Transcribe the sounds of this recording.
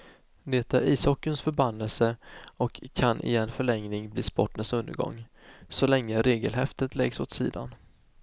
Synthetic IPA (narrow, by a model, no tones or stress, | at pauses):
d̪ɛt̪ːæɾiːshɔkːənsfœɾbanːəlsəɔkʰːanʔɪ̰ɛnːfœɭɛŋnɪŋbliːspɔʈːənsɵnd̪əɾɡɔ̰ŋː | sɔlɛŋːəɾeːɡəlɦɛft̪ət̪lɛɡsot̪siːd̪a̰n